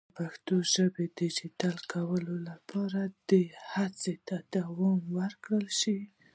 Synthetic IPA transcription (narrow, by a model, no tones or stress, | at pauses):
paxt̪oʒəbed̪ɪd͡ʒit̪alkʰawəlolapʰɑɾad̪̥əhat͡set̪ad̪awɑmwəɾkɽəlʃi